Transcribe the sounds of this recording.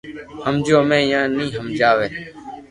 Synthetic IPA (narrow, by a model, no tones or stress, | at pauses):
həmd͡ʒoːmẽːjãːnĩːɦəmd͡ʒaːʋeː